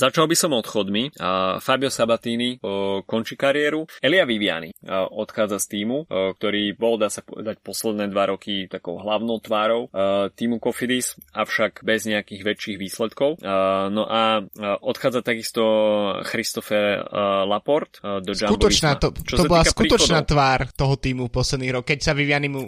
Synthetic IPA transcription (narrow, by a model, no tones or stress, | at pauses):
zat͡ʃalˠbisɔmɔt̪xɔd̪mifabiɔsabat̪iːnikɔnt͡ʃikaɾiɛɾuɛliaʋiʋɪa̰nḭʔɔt̪xaːd͡zast̪iːmuk̚t̪ɔɾiːbɔld̪aːsapɔ̰ɛ̰d̪ac̚pɔslɛd̪nɛːd̪ʋaɾɔkit̪akɔʊɦlaʊnɔʊt̪ʋaːɾɔʊt̪iːmukɔfid̪isʔafʃaɡbɛzɲɛakiːɣʋɛt͡ʃːiːɣʋiːslɛt̪kɔʊnɔʔaʔɔt̪xaːd͡zat̪aɡist̪ɔxɾist̪ɔfɛlapɔɾt̪d̪ɔsd͡ʒaubt̪ɔit͡ʃnaːat̪ɔt͡ʃɔsɔbɔllaskuit̪ɔt͡ʃnaːt̪ʋaːɾt̪ɔɦɔt̪iːmupɔslɛd̪niːɦɾɔkːɛcsaʋiʋɪanimu